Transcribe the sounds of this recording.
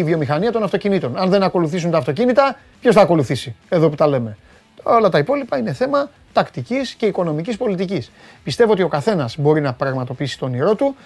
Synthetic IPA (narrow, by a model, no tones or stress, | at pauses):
ivjo̞mixɐniɐt̪o̞nɐft̪o̞cinit̪o̞nɐnðe̞nɐko̞luθisunt̪ɐːft̪o̞cinit̪ɐ | pço̞sθɐːko̞luθisie̞ðo̞put̪ɐle̞me̞ | olɐt̪ɐipo̞lipɐine̞θe̞mɐ | t̪ɐkt̪icisce̞iko̞no̞micispo̞lit̪icis | pist̪e̞voo̞t̪io̞kɐθe̞nɐzbo̞ɾinɐpɾɐɣmɐt̪o̞piisi̥t̪o̞niɾo̞t̪u